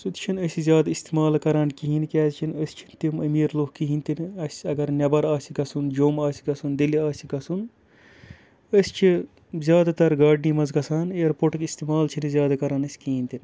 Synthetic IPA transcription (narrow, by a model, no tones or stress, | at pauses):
sut̪t͡ʃʰinəsʲizʲjaːd̪ist̪imaːlkɐɾaːnkiɦinkʲɛːzt͡ʃʰinəsʲt͡ʃʰint̪iməmiːɾloːkiɦint̪inɐsʲɐɡɐɾnʲɐbɐɾaːsʲiɡɐsund͡ʒoːmaːsʲiɡɐsund̪iliaːsʲiɡɐsun | əsʲt͡ʃʰi | zʲjaːd̪at̪ɐɾɡaːɖniːmɐzɡɐsaːneːɾpoʈkist̪imaːlt͡ʃʰinɨzʲjaːd̪akɐɾaːnɐsʲkiɦinʲt̪in